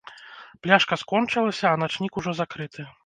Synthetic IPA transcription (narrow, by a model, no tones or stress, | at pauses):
plʲaʂkɐskɔnt͡ʂɨlˠɐsʲɐːnat͡ʂnʲikuʐɔzakɾɨt̪ʰɨ